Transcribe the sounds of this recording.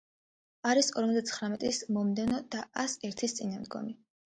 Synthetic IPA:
aɾisɔɾmɔzd̪at̪sʰχɾamɛt̪ʼismɔmd̪ɛvnɔd̪aasɛɾt̪ʰist̪sʼinamd̪ɡɔ̰mi

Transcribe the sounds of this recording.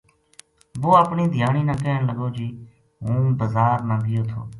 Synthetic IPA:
boːəːpɳiːd̪ʱɪjaːɳiːnãːkeːɳləɡoːd͡ʒiː | ɦũːbəzaːɾnãːɡɪjoːt̪ʰo̰ː

